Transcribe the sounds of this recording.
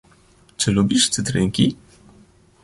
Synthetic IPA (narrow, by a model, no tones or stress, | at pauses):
t͡ʂɘlubʲiʂt̪sɘt̪ɾɘŋkʲi